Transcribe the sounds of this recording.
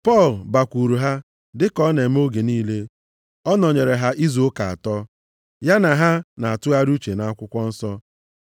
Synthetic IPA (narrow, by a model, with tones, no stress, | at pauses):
pɔ˦˨lba˨kʷu˨ɾu˨ɦa˦ | dɪ˦kɔ˦ne˨m̩˦o˦ɡe˨niː˦le˦ | ɔ˦nɔ˨ɲe˨ɾe˨ɦa˦ʔi˦zo˨˦ka˨a̰˨tɔ˦ | ja˦na˨ɦa˦na˨a˨tʊ˦a˦ɾu˦t͡ʃe˨na˨a˦kʷʊ˦kʷɔ˦n̩˦sɔ˦